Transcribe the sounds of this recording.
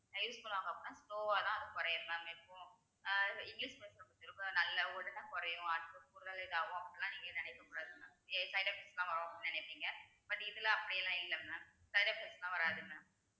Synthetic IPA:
nɐjuːskɔɭːʋãːŋɡɐpːɔnːaːsʈoːaːðãːɐðɯkɔɾɐjɐmɐmɛpːõː | ɪŋɡliːspeːsnɐkːɔt͡ʃːɪɾɯkːʊ̃nɐlːɐɔɽɐnɐ̃kɔɾɐjʊ̃ɐnɯkːɯkʊɾɯðɐlɪðaːʋʊ̃ɐpːɐt̪ːɯlãːniːŋɡɐnɪnɛkːɐkʊɽaːðɯnɐesɐɪɽaːpeslãːʋɐɾɐʋaːnɛɳɛɪpːiːŋɡɐ | b̥ɐʈːɪðɯlãɐpːɐɽɪjɛlãːɪlːɐmnɐ | sɐɪɖaːpeslãːʋɐɾaːðɯnːɐ

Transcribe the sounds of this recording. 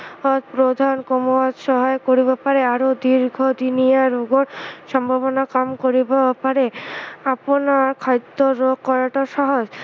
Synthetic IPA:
pɾod̪ʱankomowat̪ʃɔɦaekoɾibapaɾeaɾod̪iɾɡʱod̪inijaɾoɡoɾʃɔmbʱaβonakamkoɾibapaɾeaponaɾkʰajt̪ːoɾoɡkɔɾaʈoʃɔɦod͡ʑ

